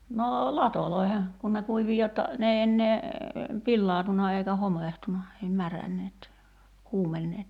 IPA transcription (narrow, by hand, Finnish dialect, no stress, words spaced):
noː lɑtoloi̞he kun ne kuiʋi jotːɑ n ei enːeː pilːɑːtunɑ eikæ homeˑhtunɑ ei mærænːeːt kuːmenːeːt